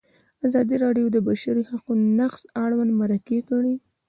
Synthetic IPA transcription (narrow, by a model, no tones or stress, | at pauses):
azɑd̪iɾɑɖjod̪əbaʃaɾihaqunonaqsaɽwand̪maɾakekəɽi